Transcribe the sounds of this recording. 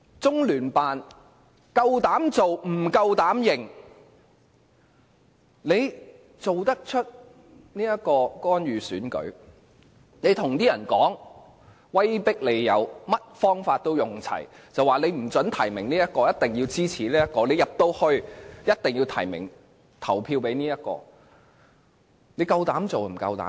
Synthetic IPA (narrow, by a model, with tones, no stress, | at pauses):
t͡sʊ˥ŋlyː˨˩npaː˨n | kɐ˧wt̪aː˨˥mt͡so˨wm̩˨˩kɐ˧wt̪aː˨˥mjɪ˨˩ŋ | le˨˧j | t͡so˨wt̪ɐ˥k̚t͡ʃʰɵ˥t̚ | niː˥jɐ˥kɔː˧kɔː˥njyː˨syː˨˥nkɵ̰˨˥ɥ | ne˨˧jt̪ʰʊ˨˩ŋt̪iː˥jɐ˨˩nkɔː˨˥ŋ | wɐ˥jpɪ˥k̚le˨˧jjɐ˨˧wmɐ˥t̚fɔː˥ŋfaː˧t̚t̪o˥wjʊ˨ŋt͡sʰɐ̰˨˩j | t͡sɐ˨waː˨le˨˧jm̩˨˩t͡sɵ˨˥nt̪ʰɐ˨˩jmɪ˨˩ŋniː˥jɐ˥t̚kɔː˧jɐ˥t̚t̪ɪ˨ŋjiː˧wt͡siː˥t͡sʰiː˨˩liː˥jɐ˥t̚kɔː˧le˨˧jɐ˨p̚t̪o˥whɵ˧ɥjɐ˥t̚t̪ɪ˨ŋjiː˧wt̪ʰɐ̰˨˩jmɪ̰˨˩ŋ | t̪ʰɐ˨˩wpʰiː˧wpe˨˥jniː˥jɐ˥t̚kɔ̰ː˧ | le˨˧jkɐ˧wt̪aː˨˥mt͡so˨wm̩˨˩kɐ̰˧wt̪a̰ː˨˦˥m